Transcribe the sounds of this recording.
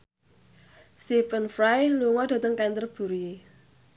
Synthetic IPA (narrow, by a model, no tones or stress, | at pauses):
sipənfɾajluŋɔd̪̥ä̤t̪əŋkɛnt̪ərb̥ṳɾue